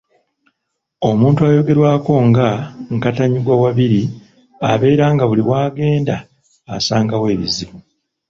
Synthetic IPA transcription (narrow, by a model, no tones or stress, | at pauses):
o̞muːntuajo̞ɡe̞ɾwaːko̞ŋɡaŋkataɲiɡwawaβiɾi | a̰βe̞ːɾaːŋɡaβuliβwaːɡe̞ːnda̰ː | saːŋɡawe̞ːβḭziβu